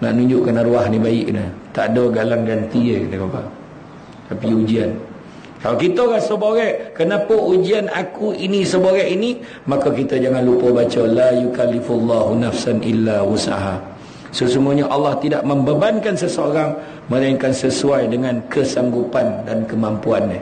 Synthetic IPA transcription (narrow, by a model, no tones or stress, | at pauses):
na̰ʔnũɲd͡ʒʊʔkanaɾuaɦnibaɪʔnət̪aʔdoɡalaŋɡant̪iət̪əbapa̰ | t̪apiud͡ʒian | kalawkit̪əɣasəboɣɛʔkənapəʔud͡ʒianakuʔinisəboɾɛʔini | makakit̪əd͡ʒaŋanlupəbat͡ʃəlajukalːiflːɑɦunafsanʔḭlːawusa̰ɦa | səsumuaɲaʔalːɑht̪idaʔməmbəbankansəsəoɾaŋ | məlaiŋkansəsuajdəŋãnkəsaŋɡupandankəmampuanːə